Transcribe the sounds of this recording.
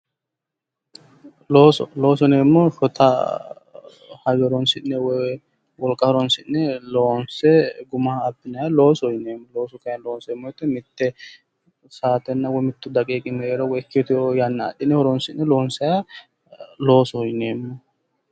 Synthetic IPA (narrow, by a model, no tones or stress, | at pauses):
loːsɔlo̞ːs̬ɔneːmːɔʃɔt̪ʰɐ | hɐɡɛɾɔnsɪnːɛwɔj | wɔlkʼːɐɔɾɔnsɪnːɛloːnsɛɡʊmaːpːɪnɐjalo̞ːsɔjneːmːɔloːsʊkɐjɐnloːnsɛmːɔjɛt̪ːɛmɪt̪ːɛ | saːt̪ɛnːɐwɔmɪt̪ːʊd̪ɐkʼeːkʼɪmɛɾɔwɔɛkːɪjɔt̪ɪjojɐnːɐ̰ːɗɪnːɛhɔɾɔnsɪnːɛlo̞ːnsɐja | lo̞ːsɔjneːmːɔ